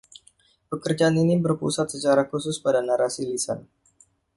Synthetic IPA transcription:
pəkərd͡ʒaːninibərpṵsat̪̚sət͡ʃaɾakusʊspadanaɾasilisa̰n

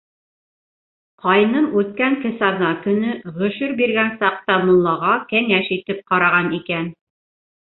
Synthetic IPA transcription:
qɑjnɤɴʉt̪̚kæŋkɘ̆sɑɾnɑkɵ̆nɵʁɵ̆ʃɵɾbiɾɡænsɑq̚t̪ɑmŏnlːˠɑʁɑkæŋæʃit̪ɘp̚qɑɾɑʁɑnikæn

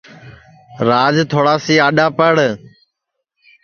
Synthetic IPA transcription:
ɾaːd͡ʒt̪ʰoːɽaːsiːaːɗaːpəɽ

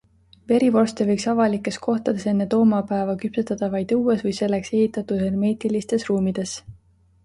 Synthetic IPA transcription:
ve̞ɾivo̞rst̪evɤjksɑvɑlikːˑe̞skʰo̞ht̪ɑd̪̥e̞senːe̞t̪o̞ːmɑpæevɑkypset̪ːˑɑd̪̥ɑvɑjd̪̥uːesvɤjse̞lːekse̞ɦhit̪ːˑɑt̪ud̪̥herme̞ːt̪ilist̪e̞sruːmid̪̥e̞s

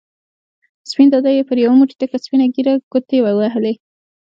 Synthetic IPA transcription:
spind̪ad̪ajepəɾjawamuʈi̥ʈakaspinaɡiɾaɡ̥ot̪ewawaɦəle

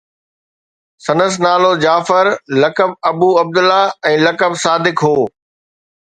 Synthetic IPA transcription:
sɐnəs̬naːlod͡ʑaːfɪɾlɐkəb̚ɐbuːɐb̚d̪ʊlaɛ̃ːlɐkəbsaːd̪ɪkɦoː

